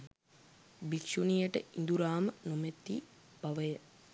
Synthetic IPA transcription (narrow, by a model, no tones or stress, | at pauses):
bikʃunijəʈəind̪uɾaːmənomet̪ːi | b̥aʋəjə